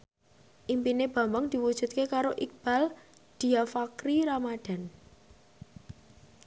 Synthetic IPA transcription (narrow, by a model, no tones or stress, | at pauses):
ʔimpineb̥a̤mbaŋd̪̥i̤wud̥ʒ̥ṳt̪̚kekaɾoʔik̚b̥a̤l | d̪̥i̤afakɾiɾamad̪̥a̤n